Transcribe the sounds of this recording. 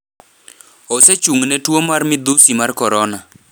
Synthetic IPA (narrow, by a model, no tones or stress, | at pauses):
ɔsɛt͡ʃuŋnɛtwomarmɪd̪usimarkɔɾɔna